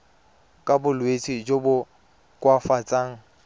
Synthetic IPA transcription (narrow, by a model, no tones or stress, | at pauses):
kʼabʊlwet͡sʼid͡ʒobʊ | kʼwafat͡sʼaːŋ̩